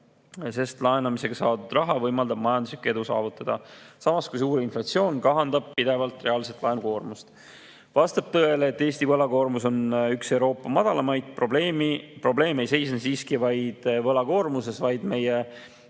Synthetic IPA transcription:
se̞st̪lɑenɑmise̞ɡ̥ɑsɑːd̪ud̪̥rɑɦɑvɤjmɑld̪ɑb̥̚mɑjɑnd̪uslikːɑe̞d̪usɑ̰ːvut̪ːˑɑd̪̥ɑ̰sɑmɑskujs̬uːɾinflɑt̪sio̞ːnkɑɦɑnd̪ɑb̥̚pid̪̥e̞vɑlt̪ˑre̞ɑːlse̞t̪lɑeuko̞ːrmust̪ | vɑst̪ɑb̥̚t̪ɤeleːt̪ːe̞ːst̪ivɤlɑko̞ːrmuso̞nykse̞wɾo̞ːpːˑɑmɑd̪̥ɑlɑmɑjd̪̥̚pro̞ble̞ːmipro̞ble̞ːme̞jse̞jsnesiːskivɑjd̪̥vɤlɑko̞ːrmuse̞svɑjd̪̥me̞je

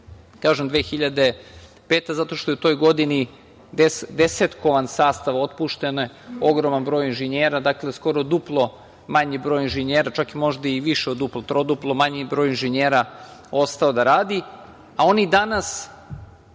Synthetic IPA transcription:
kaːʒemd̪ʋeːxiʎad̪e | peːt̪ezat̪o̞ʃt̪o̞jut̪o̞jɡo̞d̪ini | d̪esd̪eset̪ko̞ʋansaːst̪aʋo̞t̪̚puʃt̪enojeo̞ɡɾomanbɾo̞ːjinʒeɲeːɾad̪akle̞sko̞ɾod̪uplˠo̞ | maɲibɾoːjinʒeɲeːɾat͡ʃakimo̞ʒd̪aiʋiʃeod̪uplˠot̪ɾod̪uplˠomaɲibɾo̞ːjinʒeɲeːɾao̞st̪ao̞d̪aɾaːd̪i | ao̞nid̪anas

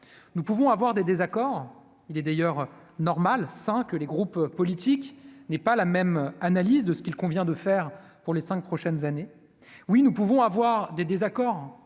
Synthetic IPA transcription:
nupuvɔ̃avwaʁd̪ed̪ezakɔʁ | ilɛd̪ajœʁ | nɔʁmalsɛ̃kələɡʁuppːɔlit̪iknɛpalamɛmanalizd̪əsə̥kʲilkɔ̃vjɛ̃d̪əfɛʁpuʁlesɛ̃ŋk̚pχɔʃɛnzane | winupuvɔ̃avwaʁd̪ed̪ezakɔʁ

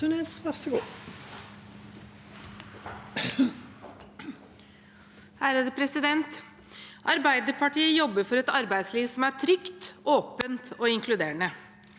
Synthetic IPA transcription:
ʉneːsʋæʂəɡuː | hæːɾəd̪əpʰɾɛsɪd̪ɛnt̪ | ʔɑɾbæɪd̪əɾpʰɑʈiːəjɔbːəɾfɔɾɛt̪ɑɾbæɪsliːʋsɔmæʈʰɾʏkt̪ʔoːpənt̪ɔɪŋkʰlʉd̪eːɳə

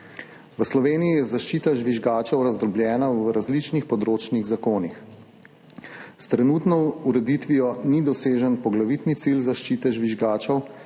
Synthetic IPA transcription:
ʋəslɔʋeːnijijɛzaʃt͡ʃit̪aʒʋiʒɡaːt͡ʃɔwɾazd̪ɾɔbljɛːnawɾazlit͡ʃnixpɔd̪ɾoːt͡ʃniɣzakoːnix | st̪ɾɛnuːt̪nɔuɾɛd̪it̪ʋijɔnid̪ɔseːʒənpɔɡlaʋit̪nit̪silzaʃt͡ʃiːt̪ɛʒʋiʒɡaːt͡ʃɔw

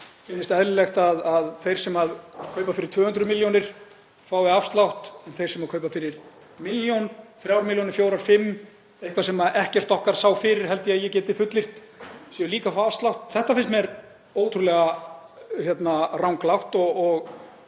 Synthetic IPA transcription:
fɪnːɪst̪ɛðlɪlɛxt̪aðaðθejɾ̥sɛmaðkʰœːɥpafɪɾɪɾt̪v̥œːhʏnt̪ɾʏmɪljownɪɾ̥ | faːwɛafst̪lawht̪ɛnθejɾ̥sɛmaðkʰœːɥpafɪɾɪɾ̥ | mɪljjonfɾjawɾmɪljownɪɾ̥fjoːwɾaɾ̥fɪmː | ejhkʰvasɛmaʔɛhcɛr̥t̪ɔhkaɾ̥saːwfɪːɾɪɾ̥ɦɛlt̪ɪajɛcɛːt̪ɪfʏt̪lɪr̥t̪ | sjɛliːkafawafst̪law̥t̪θɛht̪afɪnst̪mɛɾ | oːwt̪ʰɾulɛɣa | çjɛt̪narawŋklawht̪ɔɔɣ

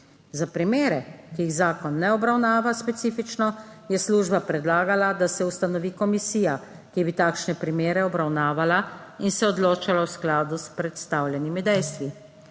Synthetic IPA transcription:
zapɾimeːɾɛkijiɣzaːkɔnːɛɔbɾawnaːʋaspɛt̪siːfit͡ʃnɔjɛsluːʒbapɾɛd̪laːɡalad̪asɛust̪anɔʋiːkɔmisiːja | kibit̪aːkʃnɛpɾimeːɾɛɔbɾawnaːʋalainsɛɔd̪loːt͡ʃalawsklaːd̪uspɾɛt̪st̪aːwlʲjɛnimid̪ɛjst̪ʋi

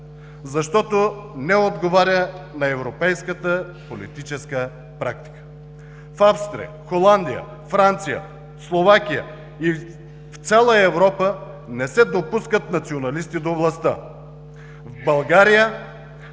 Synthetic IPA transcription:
zɐʃt̪ɔt̪onɛod̪ɡovaɾʲjənɐɛvɾopɛjskət̪ə | polit̪it͡ʃɛskə | pɾak̚t̪i̥kə̥ | fafst̪ɾḭ | xolˠand̪ijə̰ | fɾant̪sijə̰ | slˠovakʲijə̰ | i | ft̪sʲalˠəɛvɾɔpə | nɛsɛd̪opuskət̪nɐt̪sionɐlist̪id̪ovlˠɐst̪ə̰ | vbɐlˠɡaɾijə

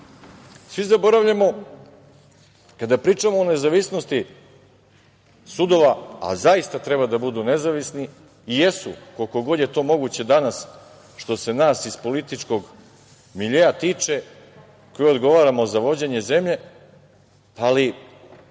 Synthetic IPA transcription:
sʋizabo̞ɾaʋʎamo̞ | kad̪apɾiːt͡ʂamoːne̞zaʋisno̞st̪i | sud̪o̞ʋaa̰zaist̪at̪ɾebad̪abud̪une̞zaʋisniː | jesṵkolko̞ɡo̞d̪je̞t̪o̞ːmo̞ɡuːt͡ɕe̞d̪anas | ʃt̪o̞se̞naːsispo̞lit̪it͡ʂko̞ɡ | miʎejat̪iːt͡ʂe̞ | kojeo̞d̪ɡo̞ʋaːɾamo̞zaʋo̞d͡ʑe̞ɲe̞ze̞mʎe̞ | ali

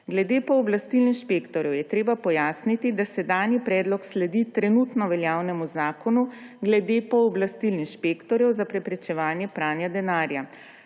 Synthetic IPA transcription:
ɡlɛd̪eːpɔːblast̪ilninʃpeːkt̪ɔɾjɔwjɛt̪ɾeːbapɔjaːsnit̪id̪asɛd̪aːnjipɾɛːd̪lɔkslɛd̪it̪ɾɛnuːt̪nɔʋɛljaːwnɛmuzaːkɔnuɡlɛd̪eːpɔɔblast̪ilninʃpeːkt̪ɔɾjɛwzapɾɛpɾɛt͡ʃɛʋaːnjɛpɾaːnjad̪ɛnaːɾja

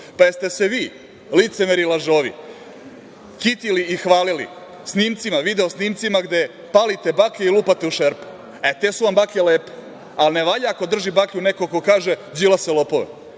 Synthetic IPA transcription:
pajest̪e̞seʋiː | lit̪semeɾilaʒoʋḭ | kit̪iliixʋaːlilḭ | sniːmt̪simaʋid̪eosniːmt̪simaɡd̪e̞ | paːlit̪e̞bakeiluːpat̪e̞uʃeɾpu̥ | et̪esuʋambakeleːpe̥ | alneʋaʎaako̞d̪r̩ʒibakʎʲunekokokaːʒed͡ʑilaselo̞po̞ʋḛ

